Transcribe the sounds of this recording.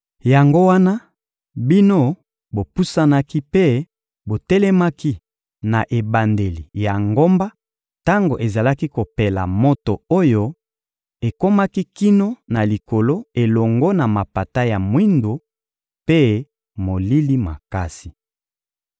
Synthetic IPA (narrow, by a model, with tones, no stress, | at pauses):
ja˨ŋɡo˦wa˦na˦ | bi˦no˦ | bo˨pu˦sa˦na˦ki˦pe˦ | bo˨tɛ˦lɛ˦ma˦ki˦ | na˨ʔe˨ba˨nde˨li˨ja˨ŋɡo˦mba˦ | ta˦ŋɡo̰˨ʔe˨za˨la˦ki˦ko˨pe˨la̰˨mo˦to˨o˦jo˦ | e˨ko˦ma˦ki˦ki˦no˦na˨li˨ko˨lo˦e˨lɔ˨ŋɡo˦na˨ma˨pa˨ta˦ja˨mwi˦ndo˨ | pe˦ | mo˨li˦li˦ma̰˨ka˦si˨